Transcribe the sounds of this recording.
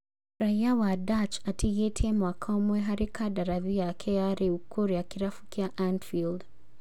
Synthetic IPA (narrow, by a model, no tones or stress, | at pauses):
ɾaiawadat͡ʃatʰiɣɛtʰɛmwakʰɔmwɛɦaɾikadaɾaðiakʰɛaɾiukʰuɾiakiɾafukiaʔandfild